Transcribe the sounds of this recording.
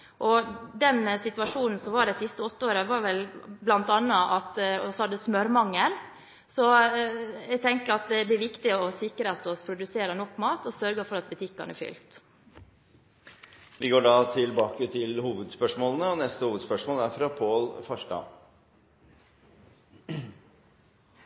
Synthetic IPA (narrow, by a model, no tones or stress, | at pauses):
ʔɔd̪ɛnsɪt̪ʋɑʂuːnn̩sɔmʋɑːɖɛɪsɪst̪əɔt̪ːəoːɾəʋɑːɾʋɛlblɑnt̪ɑnːɑʔɑt̪ɔshɑd̪ːəsmœɾmɑŋːəɾ | sɔ | ɛɡ̚t̪ʰɛŋkəɾɑt̪d̪ɛæɾʋɪkt̪ɪɔsɪkɾəɑt̪ɔspʰɾʊd̪ʉseːɾənɔkːmɑːt̪ɔsœɾɡəfɔɾɑt̪̚bʉt̪ʰɪkːɑ̰nəɛfʏ̰lt̪ | ʋɪɡoːɖɑt̪ʰɪlbɑːkət̪ʰɪlhuːʋəd̪spœʂmoːlənəɔnɛst̪əhuːʋəd̪spœʂmoːlæɾfɾɑpʰoːlfɑʂɖɑ̰